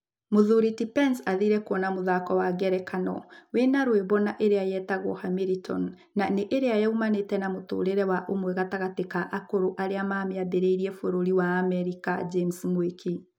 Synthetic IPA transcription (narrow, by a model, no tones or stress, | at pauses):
moðuɾitipɛnsaðiɾɛkwɔnamoðakɔwaɣɛɾɛkʰanɔwenaɾweβɔnaʔeɾeajɛtaɣɔ̰hamiɾitʰɔ̰nː | aneʔeɾeajaumanetɛnamoto̰ːɾeɾɛwaʔomwɛɣataɣatekaʔakoɾoʔaɾeamaːmeabeɾeiɾiɛfoɾoɾiwaːmɛɾikad͡ʒemsmwekʰi